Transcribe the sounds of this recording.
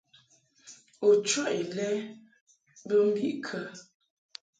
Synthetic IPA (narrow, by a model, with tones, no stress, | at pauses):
o˨t͡ʃwɔ˦ʔe˨lɛ˦ | bə˦m̩˦bḭ˦˨ʔkʰə˦